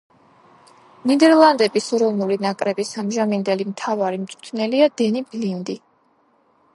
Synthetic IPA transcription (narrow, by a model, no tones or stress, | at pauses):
nid̪ɛɾlˠand̪ɛbisɔɾɔvnulinakʼɾɛbisamʒamind̪ɛlimt̪ʰavaɾimt̪sʼut̪ʰnɛliad̪̥ɛniblind̪i